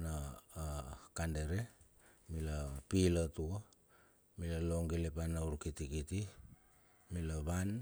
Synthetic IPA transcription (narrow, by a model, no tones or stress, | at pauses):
na | kande̞ɾe̞milapilatua | milalo̞ŋɡelepanauɾkitikiti | milaβan